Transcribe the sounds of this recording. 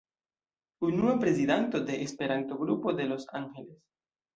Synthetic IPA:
unuapɾe̞zid̪ant̪o̞d̪e̞ʔespe̞ɾant̪o̞ɡɾupo̞d̪e̞lo̞sa̰ŋxeles

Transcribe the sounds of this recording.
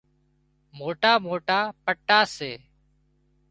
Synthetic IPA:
moːʈaːmoːʈaːpəʈːaːseː

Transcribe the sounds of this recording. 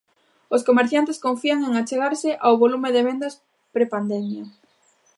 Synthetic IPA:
oskomeɾθjant̪ɪskoɱfiaŋeŋat͡ʃeɣaɾsɪʔawβolumeðeβend̪as | pɾepand̪ɛmja

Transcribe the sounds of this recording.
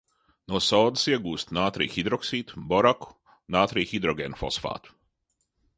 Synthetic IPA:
nɔsɔːd̪siɛɡuːst̪naːt̪ɾḭːxid̪ɾɔksiːt̪bɔɾaku̥ | naːt̪ɾiːxid̪ɾɔɡʲeːnfɔsfa̰ːt̪u̥

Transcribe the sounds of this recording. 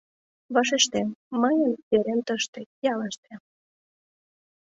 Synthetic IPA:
βɑʃeʃt̪emːəjənβeɾent̪əʃt̪ĕjɑlɑʃt̪e

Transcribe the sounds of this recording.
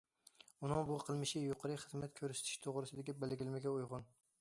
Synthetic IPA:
ʊnɪŋbʊqʰɨlˠmɪʃɪjoqʰɑɾɪχɨzmat̪kʲʰɵɾsɪ̥t̪ʰɪ̥ʃt̪ʰoʁɾɪsɪd̪ɪɡʲabelɡʲɪlmaɡʲaojʁʊn

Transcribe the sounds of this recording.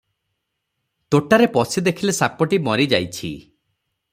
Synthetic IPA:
t̪oʈaɾepɔsid̪ekʰilesapɔʈimɔɾid͡ʒajt͡ʃʰḭ

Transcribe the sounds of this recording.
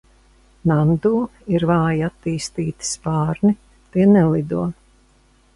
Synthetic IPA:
nand̪uːiɾvaːjat̪ːiːst̪iːt̪i̥spaːɾni | t̪iɛnɛlid̪uɔ

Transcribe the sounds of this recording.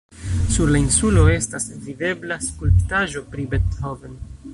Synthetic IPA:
suɾlainsulo̞e̞stasvide̞blaskulptaʒo̞pɾibethoven

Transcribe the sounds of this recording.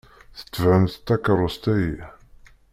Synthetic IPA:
θə̥t͡sːvʕəmθt̪ːækɾˤost̪æji

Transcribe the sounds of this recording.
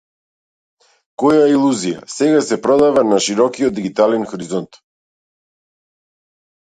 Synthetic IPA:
kɔjailˠuzija̰sɛɡasɛpɾɔd̪avanaʃiɾɔkiɔd̪̚d̪iɡit̪alɛnxɔɾizɔnt̪

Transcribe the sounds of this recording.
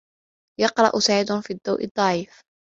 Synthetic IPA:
jɑqɾˤɑ̰ʔʊsaʕɪd̪ʊnfiːd̪ːa̰wʔɨ̰d̪ˤːɑʕiːf

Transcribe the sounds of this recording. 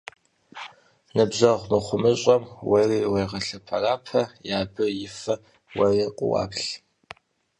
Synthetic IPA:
nɨbʑɐʁʷnɨχʷʊmɨɕʼɐmwɐriːwejʁɐɬɐpʰɐraːpʰɐjaːbɐjɪfɐ | wɐrɐqʷʼʊ̰wɑ̰ːpɬ

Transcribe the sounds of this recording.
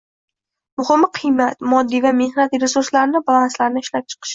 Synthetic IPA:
mʊhɪmqʰɨjmat̪mɒd̪ːijvame̞hnat̪ɾesuɾslaɾɪnɪbalanslaɾnɪʃlap̚t͡ʃʰɨ̥qʰɨ̥ʃ

